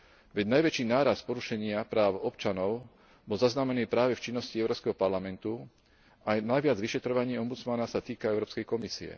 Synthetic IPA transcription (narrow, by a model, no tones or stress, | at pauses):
ʋɛɟnajʋɛt͡ʃiːnaːɾaspɔɾuʃɛɲɪapɾaːʊɔpt͡ʃanɔʊ | bɔlzaznamɛniːpɾaːʋɛft͡ʃinːɔsciɛʊɾɔːpskɛɦɔpaɾlamɛnt̪u | ajnajʋɪad͡zʋiʃɛt̪ɾɔʋaɲiɛɔmbut͡smanasat̪iːkaɛʊɾɔːpskɛjkɔmisḭɛ̰